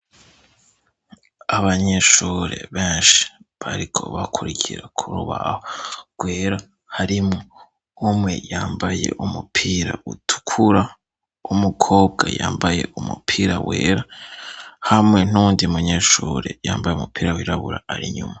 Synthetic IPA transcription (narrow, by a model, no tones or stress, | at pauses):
aβaɲe̞ʃuːɾe̞̰βeːnʃi̥βaɾikʰo̞̰βakʰuɾicʰiɾakʰuɾuβahoɡ̥weːɾa | haɾimo | umŋe̞̰jaːmbaje̞̰ʔumupʰiːɾa̰utʰu̥kʰuɾa | umukʰo̞ːb̚ɡajaːmbaje̞ʔumṵpʰiːɾaweːɾa | hamŋe̞n̥uuːndimuɲe̞ʃuːɾejaːmbajeumupʰiːɾawiɾaβuɾaaɾiɲuma